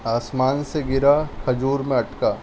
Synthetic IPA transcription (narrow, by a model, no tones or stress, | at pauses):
aːsmaːnseɡɪɾakʰɐd͡ʒuːɾmẽɐʈkaː